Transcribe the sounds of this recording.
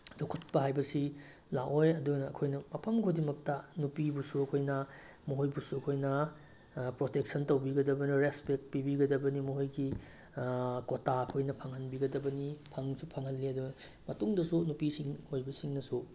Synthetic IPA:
zokʰut̚pɐɦajbɐsi | laʔojɐduɡnɐːkʰojnɐmɐpʰɐmɡodimɐk̚tɐnupibusuɐkʰojnɐ | moɦojbusuɐkʰojnɐ | pɾotek̚sɐntɐwbiɡɐdɐbɐnɐɾespek̚t̚pibiɡɐdɐbɐnimoɦojɡi | kotaɐkʰojnɐpʰaŋhɐnbiɡɐdɐbɐnipʰaŋsupʰaŋhɐnːiɐdunɐ | mɐtuŋdɐsunupisiŋojbɐsiŋnɐsu

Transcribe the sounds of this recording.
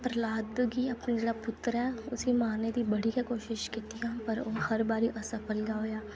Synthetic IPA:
pɾəlaːd̪ɡiːaːpneːd͡ʒeːɽaːpʊt̪ːɾɛːʊsiːmaːneːd̪iːbəɽiːkɛːkoːʃɪʃkiːt̪ijãːpəɾoːhəɾbaːɾiːʔəsəpəlɡaːoːjaː

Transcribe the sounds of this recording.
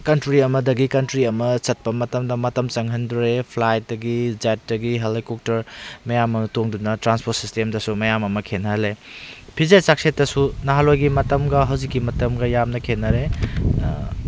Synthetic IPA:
kɐntɾiɐmɐdɐɡikɐntɾiɐmɐt͡ʃɐt̚pɐmɐtɐmdɐmɐtɐmt͡ʃɐŋɦɐnduɾepʰlajt̚dɐɡid͡ʒat̚dɐɡiɦɐlejkuk̚tɐɾmɐjamɐtoŋdunɐtɾanspʰot̚sistemdɐsumɐjamɐmɐkʰenɐlepʰizesak̚setːɐsunaɦalojɡimɐtɐmɡɐɦɐwzikːimɐtɐmɡɐjamnɐkʰenːɐɾe

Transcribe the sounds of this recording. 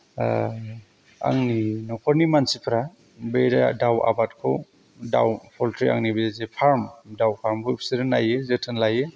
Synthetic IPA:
a̰ŋninɔkʰɔɾnimansipʰɾa | bejɾa̰dawa̰bat̚kʰɯw | da̰wpʰɔltʰɾia̰ŋnibejazepʰaɾmdawpʰaɾmbopʰsiɾɯnajɯzetʰɯnlajɯ

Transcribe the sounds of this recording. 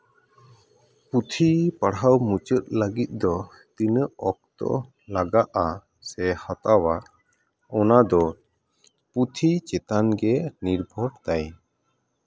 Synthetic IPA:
put̪ʰipaɽawmut͡ʃət̪̚ləɡit̪̚ˀd̪ɔ | t̪inəɔk̚t̪ɔ̰ʔ | laɡaʔa | sɛhat̪awa | ɔnad̪ɔ | put̪ʰit͡ʃɛt̪anɡɛniɾbʱɔɽt̪aj

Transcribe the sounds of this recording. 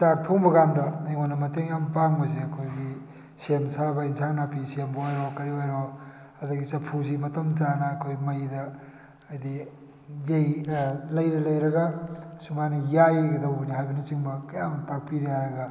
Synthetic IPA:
sak̚tʰoŋbɐɡandɐajwonːɐmɐteŋjampaŋbɐziɐkʰojɡi | semsabainsʰaŋnapisembɐojɾokɐɾiojɾo | ɐdɐɡisɐpʰuzimɐtɐmt͡ʃanɐːkʰojmɐjdɐː | jdi | zejlɐjɾɐlɐjɾɐɡasumajnɐjajojɡɐdɐwoniɦajbɐnit͡ʃiŋbɐkɐjamɐtak̚piɾijaɾɐɡa

